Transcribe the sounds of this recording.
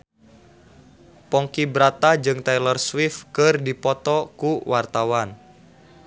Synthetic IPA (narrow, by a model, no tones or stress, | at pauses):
pɔŋkibɾat̪ad͡ʒɨŋt̪ɛjlɔrswifkərdipɔt̪ɔkuwart̪awan